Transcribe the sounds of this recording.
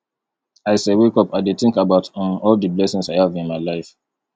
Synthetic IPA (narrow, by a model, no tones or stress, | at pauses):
aɪsewekɔpaɪdetĩŋkabaʊtɔ̃nɔldəblɛsĩŋsaɪhavĩnmaɪlaɪf